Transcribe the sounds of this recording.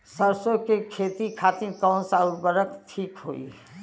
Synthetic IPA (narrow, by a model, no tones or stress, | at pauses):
səɾsõkekʰeːt̪ikʰaːt̪iɾkə̃ːnsaʊɾbəɾəkt̪ʰiːkɦo̰ḭ